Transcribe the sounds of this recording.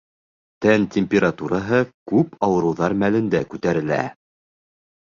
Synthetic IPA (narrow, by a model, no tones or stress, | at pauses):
t̪ænt̪ʲemʲpʲeɾat̪uɾɑɦɤkʉpɑwɤ̆ɾɤ̆wðɑɾmælɘ̆nd̪ækʉt̪æɾɘ̆læ̰